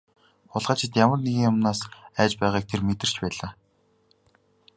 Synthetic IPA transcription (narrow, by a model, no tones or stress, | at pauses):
χʊɮʁaːt͡ɕʰɪ̆t̪jamə̆rneɣʲiːŋjʊmnaːsæːt͡ɕpæːʁaːk̚t̪ʰermet̪ɘ̆r̥t͡ɕpæːɮaː